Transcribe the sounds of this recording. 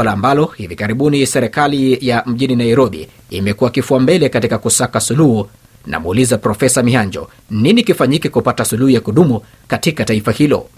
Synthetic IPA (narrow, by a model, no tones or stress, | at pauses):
alaːmbalɔhivikaɾiɓunisɛɾɛkalijam̩ʄininaiɾɔɓḭː | mɛkuwakifuambɛlɛkatikakusakasuluhu | nʔa̰muːlizapɾɔfɛsamihaɲd͡ʒɔ̰ | ninikifaɲikikupatasuluhujakuɗumu | katikataifahilɔ̰